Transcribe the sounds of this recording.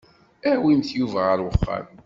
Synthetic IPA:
æwimθjuvæʁəɾwəχːɑ̰m

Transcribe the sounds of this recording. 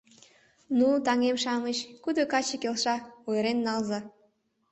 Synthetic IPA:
nut̪ɑŋemʃɑmət͡ɕkud̪okɑt͡ɕekelʃɑojəɾenːɑlzɑ

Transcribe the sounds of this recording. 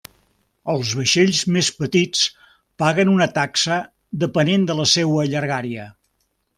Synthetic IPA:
əlˠzβəʃeʎzmespət̪it͡s | paɣənunət̪aksə | d̪əpənend̪ələsewəːʎəɾɣaɾiə

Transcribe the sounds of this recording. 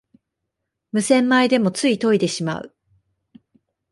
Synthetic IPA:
mɯ̟sẽ̞mːaid̪e̞mo̞t͡sɨit̪o̞id̪e̞ɕima̰ɯ̰

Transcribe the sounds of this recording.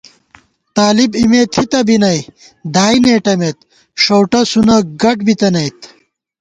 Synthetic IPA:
t̪aːlibimet̪ʰit̪ɐbinɐj | d̪aːineːʈɐmet̪̚ | ʂowʈɐsunɐɡɐʈ̚bit̪ɐnɐjt̪

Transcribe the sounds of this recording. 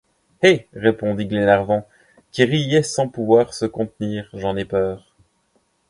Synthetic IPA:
heʁepɔ̃d̪iɡlenaʁvɑ̃ | kʲiʁijɛsɑ̃puvwaʁsəkɔ̃t̪niːʁʒɑ̃nɛpœːʁ

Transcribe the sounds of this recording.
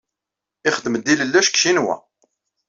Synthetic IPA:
ɪχəd̪ːməd̪iləlːæʃkʃinwæ̰

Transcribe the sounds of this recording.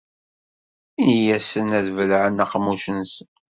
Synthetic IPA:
ijæsənæðvəlʕənæqmːuʃənsə

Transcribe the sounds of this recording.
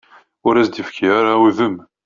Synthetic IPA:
ʊɾæsd̪əfkʰiaɾauðəm

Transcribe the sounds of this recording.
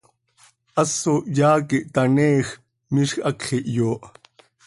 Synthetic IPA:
ʔɐsoʔjaːkiʔt̪anɛːx | miʃxʔɐkχiʔjoːʔ

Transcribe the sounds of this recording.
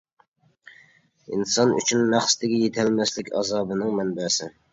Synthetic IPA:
ḭnsɑny̰t͡ʃʰynmæχsɪ̥t̪ɪɡʲɛjet̪ʰɛlmɛslɪkʲɑ̰zɑːbɨnɨŋmɛnbɛsɪ

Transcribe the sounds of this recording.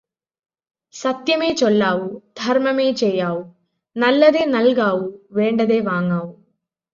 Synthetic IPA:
sɐt̪jɐmeːt͡ʃɔɭːaːwud̪̥ʱɐɾmɐmeːt͡ʃɛːjaːwu | nɐlːɐd̪eːnɐlɡaːwuʋeːɳɖɐd̪eːʋaːŋɡaːwu

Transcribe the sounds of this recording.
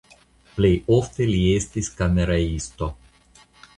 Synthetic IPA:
plejoft̪eliest̪iskɐmeɾɐist̪o

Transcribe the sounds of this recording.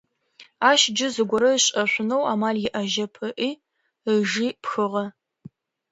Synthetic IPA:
aːʃd͡ʒɪzɨɡʷɔɾɐɕʼɐɕʷʊnowaːmaːljɪʔɐʒɐpʰɐʔiː | əʒiːpxɨʁɐ

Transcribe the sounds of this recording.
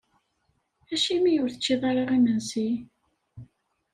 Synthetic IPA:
æʃimijʊɾθət͡ʃːiðˤɑɾˤɑʁimənsi

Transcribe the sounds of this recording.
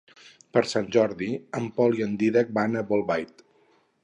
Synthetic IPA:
pəɾsanʲʒɔɾðiəmpɔliənd̪iðək̚banəβolˠβajt̪

